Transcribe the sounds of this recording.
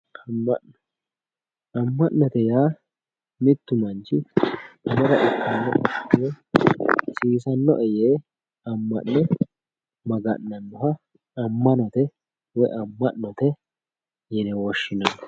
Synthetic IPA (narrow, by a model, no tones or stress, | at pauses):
ɐmːɐ̰ʔn | ɐmːɐʔnɔt̪ɛjaː | mɪt̪ːʊmɐnt͡ʃɪɐmɔɾɐ̰ʔɪkːɐnːɔ̰ɔɪjɛ | siːsɐnːɔ̰ʔɛjeː | ɐmːɐ̰ʔnɛ | mɐɡɐ̰ʔnɐnːʊhɐ | ɐmːɐnɔt̪ɛ | wɔjʔɐmːɐʔnɔt̪ɛ | jɛnɛwɔʃːɪnɐnːɔ̥